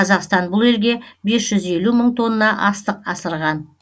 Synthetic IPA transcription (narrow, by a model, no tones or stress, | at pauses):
ɑzɑqst̪ɑnbʊlˠe̞lɡʲe̞be̞sʒ̥ʏze̞luməɴt̪ʰo̞nːənɑʔɑst̪əqɑsəɾʁɑn